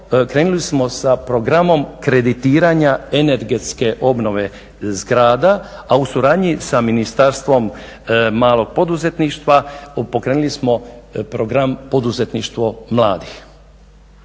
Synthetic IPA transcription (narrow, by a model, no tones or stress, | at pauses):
kɾeːnulismo̞sapɾo̞ɡɾamo̞mkɾe̞d̪it̪iːɾaɲaene̞ɾɡet̪ske̞ʔo̞bno̞ʋe̞ | zɡɾaːd̪aausuɾaːd̪ɲisaminist̪aɾst̪ʋo̞m | maːlˠo̞ɡ̥̚po̞d̪uze̞t̪niʃt̪ʋapo̞kɾeːnulismo̞pɾoɡɾampo̞d̪uze̞t̪niʃt̪ʋo̞mlˠaːd̪ix